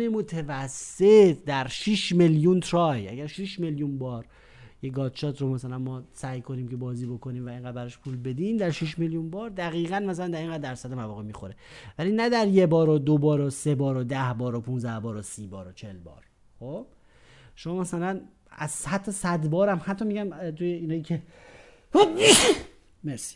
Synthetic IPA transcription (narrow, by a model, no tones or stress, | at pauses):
emot̪ʰevæsːe̞t̪ʰd̪æɾʃiʃme̞ljunt̪ʰɾɒːjjʔæ̰ɟæɾʃiʃme̞ljunbɒːɾ | jeɡɒːd̪ʃɒːt̪ʰɾomæsælænmɒːsæjkʰo̞niːmcʰebɒːziːbo̞kʰo̞niːmvæeŋɡæd̪bæɾɒʃpʰuːlbe̞d̪iːmd̪æɾʃiʃme̞ljunbɒːɾd̪æɣiːɣænmæsælænd̪æɾeŋɡæːd̪ːæɾsæd̪emævɒːɣemiːxoɾevælinæd̪æɾjebɒːɾod̪obɒːɾosebɒːɾod̪æhbɒːɾopʰunzæhbɒːɾosiːbɒːɾot͡ʃʰe̞lbɒ̰ːɾ | χob̥ | ʃo̞mɒːmæsælæn | æz̥hæt̪ʰːɔsæd̪bɒːɾæmhæt̪ʰːɒmiɟænt̪ʰujeinɒːjiːcʰe | hob | meɾsi̥